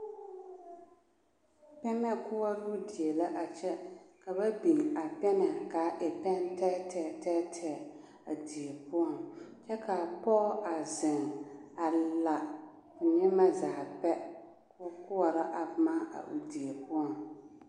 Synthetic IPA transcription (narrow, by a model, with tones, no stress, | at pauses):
pɛ˦nɛ˦kʊ˦wa˦ɾu˦di˨e˨la˦ʔa˨t͡ʃɛ˦ka˨ba˦bi˨ŋa˨pɛ˦nɛ˨ka˨˦ʔɪ˨pɛ˦n˦tɛː˦tɛ˦˨tɛː˦tʰɛ˦˨ | a˨di˨e˨pʊ˦ɔ˨ŋt͡ʃɛ˦ka˨pɔ˦a˨zɪ˨ŋa˨la˨ | pʊ˨ɲɛ˦ma˦zaː˨pɛ˦ | kkʊ˦wa˨ɾa˦ʔa˨˦ma˦a̰˨ʔṵ˨di˨e˨pʊ˦ɔ˨ŋ